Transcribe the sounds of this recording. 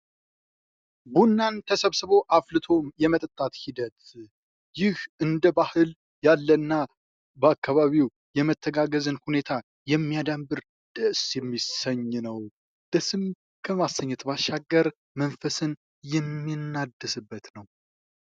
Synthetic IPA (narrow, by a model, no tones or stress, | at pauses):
bunːant̪ʰəsəβsɨβo̞ʔaflɨt̪ʰo̞mjɛmət̪ʼət̪ʼːat̪hid̪ət̪ | jɪhʔɨnd̪əbahɨl | jalːənːa | bəakʰːaβaβiw | jɛmət̪ʰːəɡaɡəzɨnhune̞t̪ʰa | jɛmːijad̪ambɨɾ | d̪̥əʔsjɛmːisəɲːnəw | d̪̥əsɨm | kʰəmasːəɲːɛt̪basʃːaɡːəɾ | mənfəsɨn | jɛmːinːad̪ːəsɨbːət̪nəw